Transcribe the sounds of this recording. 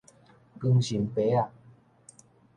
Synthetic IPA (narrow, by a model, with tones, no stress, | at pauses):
kɯ˧ŋɕi˨˩˦ŋpe˨˦a˨